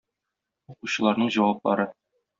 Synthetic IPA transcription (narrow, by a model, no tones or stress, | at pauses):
uquɕɤ̆lˠɑɾnɤɴʑɒwɑp̚lˠɑ̰ɾɤ